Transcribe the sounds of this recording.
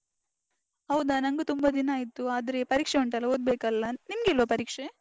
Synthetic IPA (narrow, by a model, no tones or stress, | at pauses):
ɦɐwd̪ɐnɐŋɡut̪umbɐd̪inaːjit̪ːuaːd̪ɐɾe̞pɐɾiːkʂeuɳʈɐlːɐɦoːd̪̚beːkɐlːɐnimɡilʋɐpɐɾiːkʂe